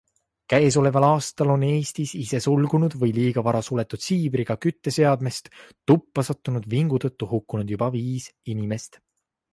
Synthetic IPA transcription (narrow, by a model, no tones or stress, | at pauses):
kæeso̞le̞vɑlɑːst̪ɑlo̞ne̞ːst̪isise̞sulɡ̥unud̪̥vɤjliːɡ̥ɑvɑɾɑsule̞t̪ːˑud̪̥siːbɾiɡ̥ɑkyt̪ːe̞se̞ɑd̪me̞st̪t̪ːupːɑsɑt̪ːˑunud̪viŋɡ̥ut̪ɤt̪ˑːuhukːˑunud̪jub̥ɑviːsinime̞st̪